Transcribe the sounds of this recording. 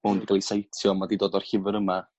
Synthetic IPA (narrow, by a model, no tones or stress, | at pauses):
mowndiɡalˠisajtʰjɔmadidoːdɔr̥hɪvəɾəma